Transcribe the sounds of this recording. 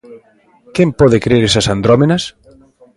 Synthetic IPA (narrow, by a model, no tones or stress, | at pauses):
kempɔðekɾeɾesɐsand̪ɾomenɐs